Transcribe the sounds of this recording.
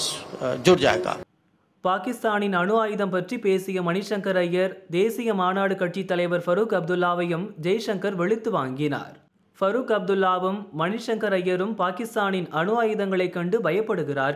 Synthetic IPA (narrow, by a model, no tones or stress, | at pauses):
d͡ʒuɾd͡ʒa̰ːjka̰ː | paːkɪst̪aːnɪnɐɳɯʋaːjɯðɐmpɐʈripeːsɪjɐmɐnɪʂɐŋkɐɾɐjːɐɾd̪eːsɪjɐmaːnaːɽɯkːɐʈt͡ʃit̪ːɐlɐɪʋɐɾfɐɾukɐb̚d̪ɯlːaːʋɐjɯmd͡ʒɐjʂɐŋkɐɾʋɛɭɪt̪ːɯʋaːŋɡɪna̰ːɾ | fɐɾukɐb̚d̪ɯlːaːʋɯmːɐnɪʂɐŋkɐɾɐjːɐɾɯmpaːkɪst̪aːnɪnɐnɯʋaːjɯðɐŋɡɐɭɐɪkːɐɳɖɯbɐjɐpːɐɽɯɣɪraːɾ